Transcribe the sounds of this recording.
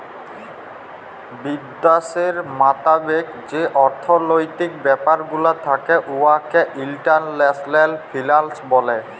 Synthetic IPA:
bid̪ːaseɹmat̪abek | d͡ʑeʔɔɾt̪ʰɔnojt̪ik̚bɛpaɾɡulat̪ʰakɛʔuakɛʔilʈanlɛslɛlpʰilalsbɔlɛ

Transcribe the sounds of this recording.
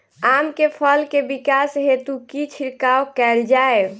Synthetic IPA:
amkepʰəlkebikasɦet̪ukit͡ʃʰiɾkaokɛld͡ʒae

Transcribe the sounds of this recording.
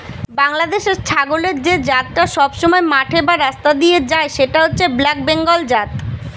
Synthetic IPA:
baŋlad̪eʃeɾt͡ɕʰaɡoleɾd͡ʑed͡ʑat̪̚ʈaʃɔbʃɔmɔemaʈʰebaɾast̪ad̪ied͡ʑaeʃeʈaɦotːɕʰeblak̚beŋɡold͡ʑat̪

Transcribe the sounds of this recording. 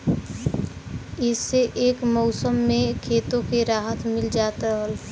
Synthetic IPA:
ɪsːeʔeːkmɔːsəmːẽkʰeːt̪õkeɾaːɦət̪mɪld͡ʒaːt̪aɾɦəl

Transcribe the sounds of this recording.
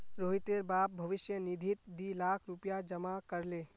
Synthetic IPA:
ɾoːɦɪt̪eːɾbaːp̚bʱɐʋɪʃjənid̪ʱɪt̪̚d̪ilaːkʰɾupjad͡ʒɐmakəɾleː

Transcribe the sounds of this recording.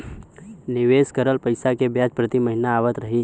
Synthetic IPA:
nɪʋeːskəɾəlpəɪsakebjaːd͡ʒpɾət̪iməɦɪnaːʋət̪ɾɐɦiː

